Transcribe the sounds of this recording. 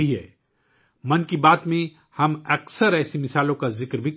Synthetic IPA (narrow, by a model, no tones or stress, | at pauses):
iɦɛː | mɐnkibaːd̪mẽ | hɐmɐksəɾɛːsimɪsaːlõkazɪkɾbʱi